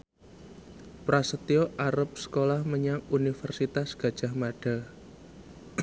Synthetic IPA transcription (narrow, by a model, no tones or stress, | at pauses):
pɾasət̪ioʔaɾəp̚sə̥kolahməɲaŋunifərsit̪asɡ̥a̤d̥ʒ̥a̤hmaɖ̥a̤